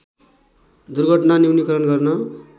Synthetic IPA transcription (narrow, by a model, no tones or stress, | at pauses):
d̪urɡʱʌʈnaniwnikʌɾʌnɡʌrnʌ